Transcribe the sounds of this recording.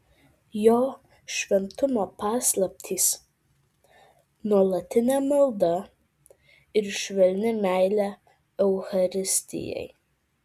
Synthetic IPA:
joː | ʃʲʋʲɛnt̪ʊmoːpɑːslˠɐp̚ʲt̪ʲʰiːs | nuɔlˠɐt̪ʲɪnʲæːmɐlˠd̪ɐ | ɪɾʃʲʋʲɛlʲnʲɪmʲæɪlʲæ | ɛʊxɐɾʲɪsʲt̪ʲɪ̰jɛ̰ɪ

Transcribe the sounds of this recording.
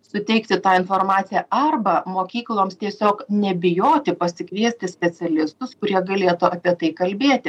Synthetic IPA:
sʊt̪ʲɛɪkt̪ʲɪt̪ɑːɪnfoːɾmɑːt̪sʲɪjæɐrbɐmoːkʲiːklˠoːmst̪ʲiɛsʲoːknʲɛbʲɪjoːt̪ʲɪpɐsʲɪkʋʲiɛsʲt̪ʲɪsʲpʲɛt̪sʲɛlʲɪst̪ʊskʊɾʲiɛɡɐlʲeːt̪ʊʔɐpʲiɛt̪ɐɪkɐlʲbʲeːt̪ʲɪ

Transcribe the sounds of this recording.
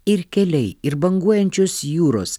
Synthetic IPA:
ɪɾkʲɛlʲɛɪɪɾbɐŋɡuɔjɛnʲt͡ʃʲoːsjuːɾo̰ːs

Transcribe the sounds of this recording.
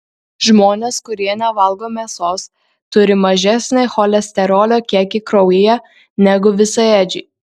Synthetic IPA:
ʒmoːnʲeːskʊɾʲiɛnʲɛʋɐlˠɡoːmʲeːsoːs | t̪ʊɾʲɪmɐʒʲɛsʲnʲɛxoːlʲɛsʲt̪ʲɛɾoːlʲoːkʲiɛkʲikɾɔʊɪjɛ | nʲɛɡʊʋʲɪsɐɛd͡ʒʲɪː

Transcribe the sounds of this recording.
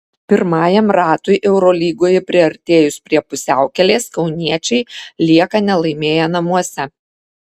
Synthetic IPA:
pʲɪɾmɑːjɛmɾɑːt̪ʊɪʔɛʊɾoːlʲiːɡoːjɛpʲɾʲɪɐɾʲt̪ʲeːjʊspʲɾʲiɛpʊsʲæˑʊkʲɛlʲeːskɒʊnʲiɛt͡ʃʲɛɪlʲiɛkɐnʲɛlˠɐɪmʲeːjɛnɐmuɔsʲɛ

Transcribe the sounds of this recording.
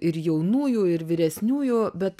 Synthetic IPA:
ɪɾjɛʊnuːjuːɪɾʋʲɪɾʲɛsʲnʲuːjuːbʲɛt̪

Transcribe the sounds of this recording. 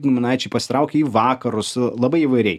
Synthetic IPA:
nʊmʲɪnɑɪt͡ʃʲɛɪpɐsʲɪ̥t̪ɾɐʊkʲɛiːʋɑːkɐɾʊslˠɐbɐɪiʋɐɪɾʲɛɪ

